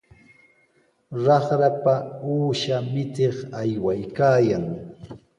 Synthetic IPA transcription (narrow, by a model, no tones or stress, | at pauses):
ɾɑχɾapauːʃamɪt̪eχajwajkaːjaŋ